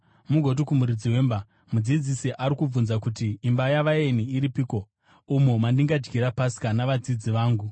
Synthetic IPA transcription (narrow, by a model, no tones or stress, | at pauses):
muɡʱo̞t̬ikumuɾid͡ziwe̞ːmba | mud͡zid͡zisiʔaɾikub͡vunzakutiːmbajaʋaeniiɾipiːko | umumandiŋɡad͡ʒɡiɾapasi̥kanaʋad͡zid͡ziʋaːŋɡu